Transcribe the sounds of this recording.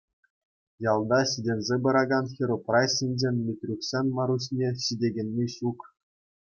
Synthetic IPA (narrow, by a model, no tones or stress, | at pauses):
jɑlˠd̪ɑɕidʲenʲzʲebɤ̆ɾɑɡɑnxʲeɾoprɑɕinʲd͡ʑenʲmʲit̪ʲrʲuksʲenʲmɑɾuɕnʲeɕidʲeɡʲenʲːiɕuk